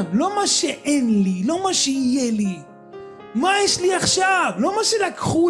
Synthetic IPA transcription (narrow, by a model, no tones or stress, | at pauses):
mlo̞maʃeʔenlilo̞maʃeijeli | majɛʃliaχʃavlo̞maʃelakχu